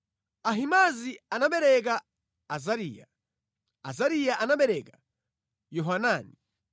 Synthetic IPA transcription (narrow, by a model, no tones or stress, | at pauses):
aɦimazianaɓɛɾɛk̬aː | zaɾiːja | azaɾijaʔanaɓɛɾɛkḁ | jɔɦanaːni